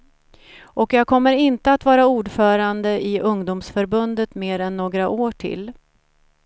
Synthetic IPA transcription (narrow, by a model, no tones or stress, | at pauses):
ʔɔkjɑːɡ̚kʰɔmːəɾɪnt̪əat̪vɑːɾauːɖfœːɾand̪əʔɪʔɵŋd̪uːmsfœɾbɵnd̪ət̪meːɾɛnːoːɡɾaʔoːʈʰɪ̰lː